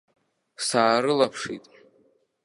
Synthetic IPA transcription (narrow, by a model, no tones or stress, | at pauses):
saːɾɨlapʰʂḭtʼ